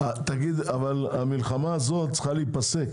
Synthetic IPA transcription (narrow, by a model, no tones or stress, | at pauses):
at̪aɡid̪avalamilχamaːzo̞tt͡sχaliit̪̚pase̞k